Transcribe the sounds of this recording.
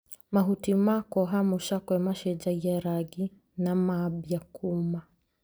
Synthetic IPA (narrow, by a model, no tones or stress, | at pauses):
maɦutimakɔɦamuʃakwɛmaʃɛd͡ʒaɡɛɾaɡi | namabjakʰuma